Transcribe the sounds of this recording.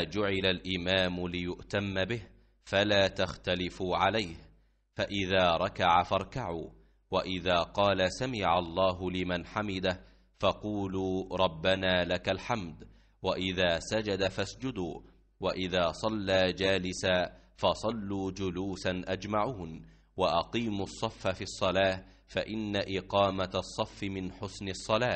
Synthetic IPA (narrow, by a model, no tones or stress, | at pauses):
d͡ʒʊʕɪlalʔɪmaːmʊlɪjʊʔt̪amːabɪh | falaːt̪axt̪alɪfuʕalajh | faʔɪðaːɾˤɑkaʕafɑɾˤkaʕuː | waʔɪðaːqɑːlasamɪʕɑlˤːɑːɦʊlɪmanħamɪd̪a | fɑquːluːɾˤɑbːanaːlakalħamd̪ | waʔɪðaːsad͡ʒad̪afasd͡ʒʊd̪uː | waʔɪðaːsˤɑlːaːd͡ʒaːlɪsaː | fɑsˤɑlːuːd͡ʒʊluːsanʔad͡ʒmaʕuːn | waʔɑqiːmʊsˤːɑfːafiːsˤːɑlaː | faʔɪnːaʔɪqɑːmat̪sˤːɑfːɪmɪnħʊsnɨsˤːɑlaː